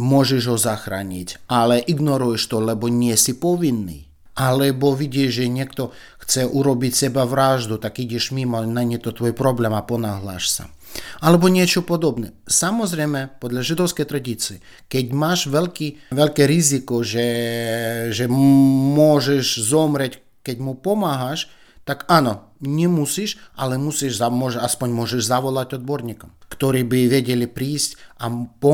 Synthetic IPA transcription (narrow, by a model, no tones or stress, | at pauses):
mʊɔʒɛʒɦɔzaxɾa̰ːɲicʲalɛʔiɡnɔɾujɛʃt̪ɔlɛbɔnɪɛsipɔʋinːḭ | alɛbɔʋiɟʲiɛʃʒɛɲʲɛkt̪ɔ | xt͡sɛʔuɾɔbicʲsɛbaʋɾaʒd̪ut̪akiɟʲiʃmimɔnajɲɛt̪ɔt̪ʋɔjpɾɔblɛmapɔnaɦla̰ʃsa̰ | alɛbɔɲɪɛt͡ʃɔpɔd̪ɔbnɛsamɔzɾɛjmɛpɔd̪lʲaʒid̪ɔwskɛjt̪ɾad̪ʲit͡siɛ | kɛɟʲmaːʃʋɛlʲkiʋɛlʲkɛɾɪzɪkɔʒɛ | ʒɛmwɔʒɛʒzɔmɾɛcʲ | kɛɟʲmupɔmaɦaʃ | t̪akanɔ | ɲʲɛmusiʃalɛmusiʒzamɔʒaspɔɲʲmɔʒɛʒzaʋɔlˠatʲɔd̪bɔrɲʲikɔmkt̪ɔɾiːbɪʋɛɟʲɛlʲɪpɾiːsʲtʲapɔ